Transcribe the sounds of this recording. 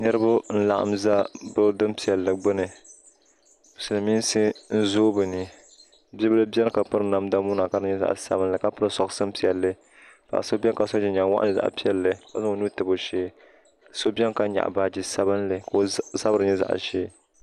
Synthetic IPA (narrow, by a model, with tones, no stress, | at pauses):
nɨ˦ɾɨ˦bʊ˦n̩˦la˨ʔa̰˨mza˦bɨ˦dɨ˦mpi˨ɛ˨lːɨ˨ɡ͡bɨ˦nɨ˨ | sɨ˨lɨ˨mi˦n˦sɨ˦n̩˦zoː˦bɨ˨nɨ˨ | bɛ˦bɨ˦lɨ˦bjɛ˦n˦ka˨pɨ˦ɾɨ˦na˨mda˦muː˦na˨ka˦dɨ˦ɲɛ˦za̰˨ʔsa̰˦bɨ˦nlɨ˨ka˨pɨ˦ɾɨ˦sɔ˨ksɨ˦m˦pi˨ɛ˨lːɨ˦ | pa̰˨ʔso˦bɛ˦nka˨so˦d͡ʒɪ˨ɲa˨˦wa̰˦ʔa̰˦ɨ˨za̰˨ʔpi˦ɛ˦lːɨ˨ka˨zɨ˦o˨nu˦tɨ˨bo˨ʃeː˦ | so˦bʲɛ˦n˦ka˦ɲa̰˨ʔba˦d͡ʒi˦sa˦bɨ˦nlɨ˨ka˨o˦sa˦bɨ˦ɾɨ˦ɲɛ˦za̰˨ʔʃeː˦